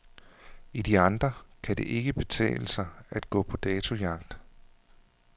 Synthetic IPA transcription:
id̥iɑ̈nd̥ʁɐkʰæde̝ʔe̝ɡ̥əb̥e̝t͡sʰɛ̰ːləsɑ̈ɪæd̥ɡ̥ɔ̰ːpʰɒ̽d̥ɛːt͡sʰo̝jɑ̈ɡ̥̚d̥

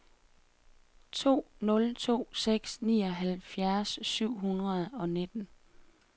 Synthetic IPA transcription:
t͡sʰo̝̰ːnɔ̽lt͡sʰo̝̰ːseɡ̥snḭːɒ̽ɦælfjæɐsːyʊ̰ɦunʁɐð̞ˠɒ̽ne̝d̥n̩

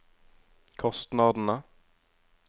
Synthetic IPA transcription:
kʰɔst̪nɑːd̪ənə

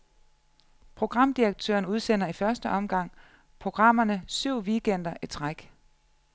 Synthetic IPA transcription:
pʰʁo̝ɡ̥ʁɑ̈m̰d̥iɐɡ̥̚t͡sʰø̰ːɐnuð̞ˠsen̰ɐifɶɐsd̥əʔɒ̽mɡ̥ɑ̈ŋ̰ | pʰʁo̝ɡ̥ʁɑ̈m̰ɐnəsyʊ̰ʋiɡ̥en̰d̥ɐʔi̥t͡sʰʁaɡ̥

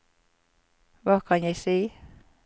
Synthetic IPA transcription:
ʋɑːkʰɑnjæɪsiː

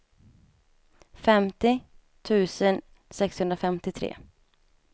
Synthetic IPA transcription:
fɛmt̪ɪ | t̪ʰʉ̟ːsən | sɛkshɵnd̪ɾafɛmt̪ɪt̪ʰɾḛː

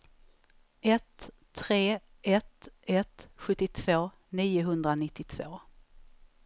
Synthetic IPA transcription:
ʔɛt̪ʰː | ɾeː | ɛt̪ɛt̪ɧɵt̪ːɪt̪ʰv̥oː | niːʊɦɵnd̪ɾanɪt̪ːɪt̪ʰv̥o̰ː

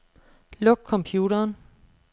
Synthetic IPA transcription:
lɔ̽ɡ̥̚kʰɒ̽mpʰjuːɾɐːn

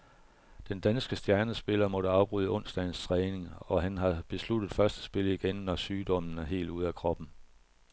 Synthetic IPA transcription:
d̥end̥ænsɡ̥əsd̥jæɐnəsb̥e̝lɐmɔ̽ɾəɑ̈ʊb̥ʁyːðˠəɔ̽n̰sd̥æɪn̩st͡sʰʁɛːne̝ŋɒ̽ɦænɦɑ̈b̥e̝slud̥ð̩ˠfɶɐsd̥ə̥sb̥e̝ləiɡ̥enːɒsyːd̥ɒ̽m̰n̩æɐɦe̝̰ːlduð̞̰ˠækʰʁɒ̽b̥n̩

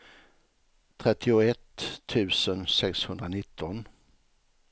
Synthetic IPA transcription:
t̪ʰɾɛt̪ʰːɪʊɛt̪ʰːʉ̟ːsənsɛkshɵnd̪ɾanɪt̪ʰːɔn

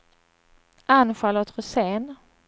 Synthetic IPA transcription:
anɧalot̪ʁɵseːn

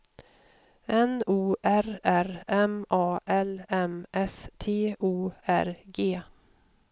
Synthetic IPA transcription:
ɛnuːʔæɾæɾɛmɑːʔɛlɛmʔɛst̪ʰeːʔuːæ̰ɾɡeː

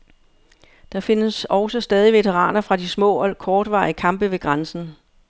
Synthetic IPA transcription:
d̥ɑ̈fe̝nəsɒʊsɒsd̥ɛːð̞ˠiʋe̝t͡sʰeʁɑ̰̈ːnɐfʁɑ̈d̥ismɔ̰̽ːɒkʰɒːd̥ʋɑ̰̈ikʰɑ̈mb̥əʋe̝ɡ̥ʁɑnsn̩

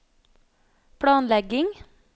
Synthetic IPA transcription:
pʰɽɑːnlɛɡɪŋ

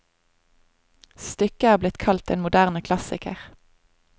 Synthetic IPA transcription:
st̪ʏkəæːblɪt̪kʰɑlt̪ḛːnmʊd̪æːʁnəkʰlɑsɪ̰kəʁ

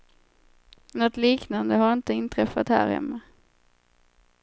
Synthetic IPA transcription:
nɔt̪liːknand̪əɦaɾɪnt̪əɪnt̪ʰɾɛfat̪hæ̰ːɾhɛ̰mːə

